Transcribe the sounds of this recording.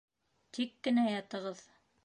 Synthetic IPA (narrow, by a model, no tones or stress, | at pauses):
t̪ikːɘ̆næjɑt̪ɤ̆ʁɤð